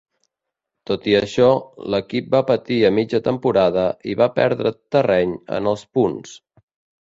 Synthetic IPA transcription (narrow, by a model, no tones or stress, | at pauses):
t̪ot̪iəʃɔləkip̚bapət̪iəmid͡ʒət̪əmpuɾaðəʔiβapɛ̰ɾðɾət̪ərɛɲə̰nəlˠspuns